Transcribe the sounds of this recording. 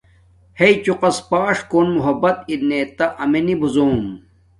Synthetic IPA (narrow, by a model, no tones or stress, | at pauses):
heit͡ɕuqɐspaːʂkoːnmuɦɐbɐt̪inet̪ɐʔɐmenibuzoːm